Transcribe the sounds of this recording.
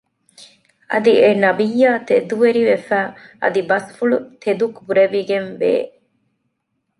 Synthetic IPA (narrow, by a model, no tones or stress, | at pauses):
ʔɐ̰d̪ienɐbijːaːt̪ed̪uʋeɾiʋefæːʔɐ̰d̪ibɐsfuɭut̪ed̪ukbuɾeʋiɡenʋḛː